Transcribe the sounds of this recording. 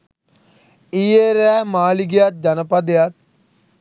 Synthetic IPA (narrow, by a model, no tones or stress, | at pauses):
ijeɾɛːmaːliɡejat̪̚d͡ʒɐnəpɐd̪ejat̪̚